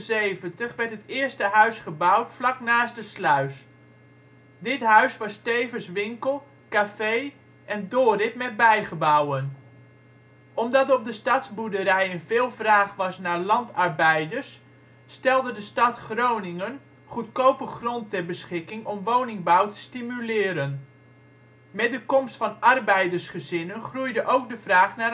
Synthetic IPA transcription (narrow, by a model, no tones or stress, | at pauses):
sejvəntəχʋɛɹtətɪːɹstəɦœɥsχəbʌwtflɑknaːsdəslœɥs | dɪtɦœɥsʋɑstejvəsʋɪŋkəlˠ | kafej | ʔɛndoːrɪp̚mɛt̚bɛjχəbɔwən | ʔɔmdɑtɔb̚dəstɑtsbudəɾɛjənvɪːlˠvraːχʋɑsnaːɹlɑntɑɹbɛjdəɹsː | tɛlˠdədəstɑtχrownɪŋən | χutkowpəχrɔntɛrbəsχɪkɪŋʔɔmʋownɪŋbawtə̥stimylɪːɾən | mɛt̚dəkɔmstfɑnɑrbɛjdərsχəzɪnənχrujdəʔowk̚dəvraːχna